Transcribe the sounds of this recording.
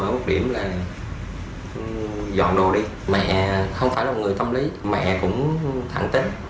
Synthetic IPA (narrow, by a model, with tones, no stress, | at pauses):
əː˧˦˩mo˨˩ɗi˧˩əmlaː˨˩ | zɔ̰˧˨nɗo˨˩ɗi˧ | mɛ̰˧˨xə˧wŋ͡mfaː˧˩jlaː˨˩ŋɨ˨˩əjt̪ə˧mli˨˦mɛ̰˧ʔkʊ̰˧˥ŋ͡mt̪ʰa̰ː˧˩˦ŋt̪e˨˦t